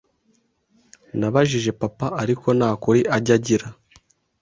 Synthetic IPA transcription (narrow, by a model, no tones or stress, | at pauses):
naβaʒiʒe̞papaʔaɾikʰo̞naːkuɾiʔaɟaɟiɾa